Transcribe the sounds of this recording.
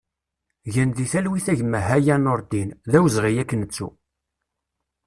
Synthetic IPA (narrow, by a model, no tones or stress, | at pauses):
ʝənðiθælwiθæʝəmːəɦæjænʊɾˤd̪inðæwzʁijækːənət͡sːṵ